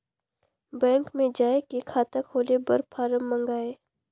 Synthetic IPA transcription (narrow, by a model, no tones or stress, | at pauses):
bɛ̃ːŋkmẽd͡ʒaːekekʰaːt̪əkhoːlebəɾpʰaːɾəmːə̃ŋɡaːeː